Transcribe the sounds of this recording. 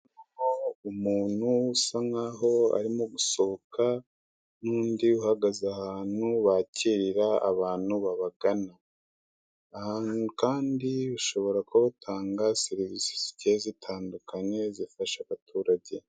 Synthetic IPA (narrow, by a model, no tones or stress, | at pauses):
nuoumuːn̥husaŋaːɦo̞a̰ɾimoɡusookʰa | nuːndiuhaɡazahaːn̥huβaciɾiɾaa̰βaːn̥huβaβaɡana | hanukaːndiuʃo̞βo̞ɾakoβatʰaːŋɡaseɾivisi̥si̥cezitʰaːndukʰaɲe̞zifaʃaβatʰuːɾaɟe̞